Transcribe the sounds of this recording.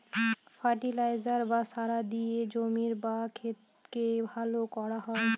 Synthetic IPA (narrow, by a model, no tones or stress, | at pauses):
faʈilajzaɾbasaɾad̪ied͡ʑomiɾbakʰet̪ | kebʱalokɔɾaɦɔe